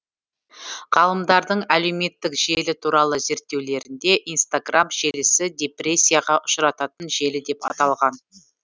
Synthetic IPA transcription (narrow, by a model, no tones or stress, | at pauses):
ʁ̥ɑlˠəmd̪ɑɾd̪əɴæle̞wme̞t̪ːɪkʒe̞lɪt̪ʰuɾɑlˠəze̞ɾt̪ːe̞wle̞ɾɪnd̪e̞ʔijnst̪aɡramʒe̞lɪsɪd̪ʲepre̞sʲːijaʁɑʔʊʃɾɑt̪ɑt̪ənʒe̞lɪd̪e̞pɑ̰t̪ɑlˠʁɑn